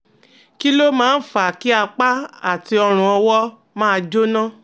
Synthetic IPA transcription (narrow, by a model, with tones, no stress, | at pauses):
ki˦lo˦mãː˦n̩˦fa˨ki˦a˧k͡pa˦a˦˨ti˧ɔ˧ɾ̃ũ˧ɔ˧wɔ˦ | mãː˦˧d͡ʒo˦nã˦